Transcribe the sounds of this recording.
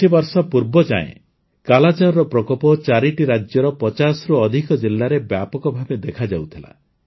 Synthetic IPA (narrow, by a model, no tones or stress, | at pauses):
ibɔɾsɔpuɾbɔd͡ʒa̰ḛ̃ | kalad͡ʒaɾɾɔpɾɔkɔpɔt͡ʃaɾiʈiɾad͡ʒjɔɾɔpɔt͡ʃasɾuɔd̪ʱikɔd͡ʒilːaɾebjapɔkɔbʱabed̪ekʰad͡ʒawt̪ʰila̰